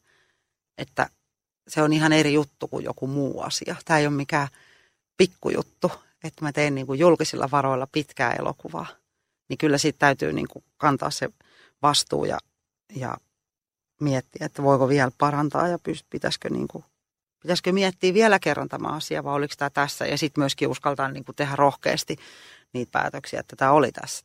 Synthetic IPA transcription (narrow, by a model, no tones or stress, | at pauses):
et̪ːæ̰ | seonihɑnerijut̪ːukṵjjo̰kumuːɑ̰sḭɑt̪æːeijommikæː | pikːṵjṵt̪ːu | et̪ːmæt̪einniːŋkujjulkisilːʔɑ̰ʋɑroilːɑpit̪kæ̰ːḛlo̰kuʋɑ̰ː | nikylːæsit̪t̪æyt̪y̰ːnḭːŋkukɑnt̪ɑ̰ːsse | ʋɑst̪ṵːjɑ̰ | jɑ̰ | miɛt̪ːiæet̪ːæʋoikoʋiælpɑrɑnt̪ɑ̰ːjɑpyst̪pit̪æ̰skø̰nḭːŋku | pit̪æskømiɛt̪ːiːʋiɛlækerːɑnt̪ɑmɑ̰ːɑsiɑ̰ʋɑioliksi̥t̪æt̪æsːæ̰jɑsit̪myøskiuskɑlt̪ɑnniːŋkut̪ehærohkḛːst̪iniːt̪̚pæ̰ːt̪øksiæ̰et̪ːæt̪æolḭt̪æ̰sːæ̥